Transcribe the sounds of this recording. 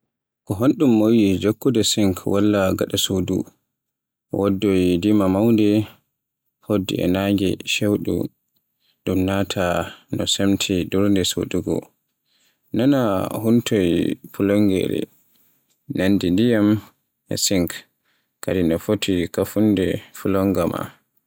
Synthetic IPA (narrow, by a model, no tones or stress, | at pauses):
kɔɦonɗumːowid͡ʒokːudɛsiŋkʰwalːaɡaɗasodṵ | wodːɔjdimamawndɛ | hodːḭɛ̰naŋɡɛ̰ʃewɗṵ | ɗumnatʰanɔsemtʰiduɾndɛso̰duɡɔ̰ | nanahuntɔjpulɔŋɡɛ̰ɾɛ̰ | nandindijam | ɛ̰siŋk | kadinɔfotʰikafundɛfulɔŋɡama̰